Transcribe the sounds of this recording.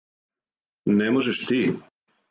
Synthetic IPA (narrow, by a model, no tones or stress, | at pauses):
nemoʒeʃt̪iː